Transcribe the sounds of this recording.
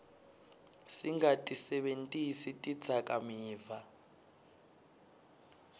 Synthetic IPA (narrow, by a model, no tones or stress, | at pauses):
siŋɡatʼisɛɓentʼisitʼid̥d͡zʰʱakʼamiːva